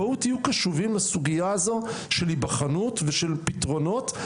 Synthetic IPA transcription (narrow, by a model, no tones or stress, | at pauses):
aut̪ijukaʃuvimasuɡiazaʃelibaχanutveʃe̞lpitʁo̞no̞t